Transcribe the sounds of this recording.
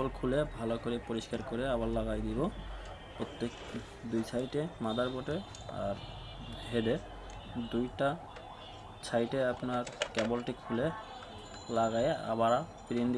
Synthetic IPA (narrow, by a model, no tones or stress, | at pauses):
olkʰulebʱalokoɾepoɾiskaɾkoɾeabaɾlaɣajd̪ibo | pot̪ːek | d̪ujt͡ɕʰajʈemad̪ʱaɾboʈe | a̰ɾ | bʱeɖe | d̪ujʈa | t͡ɕʰajʈeapnaɾkɛbolʈikʰːule | laɡaja̰baɾa | piɾend̪i